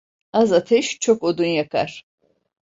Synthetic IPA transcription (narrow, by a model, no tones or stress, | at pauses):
azatʰeʃt͡ʃʰokʷʼod̪unjakʼa̰r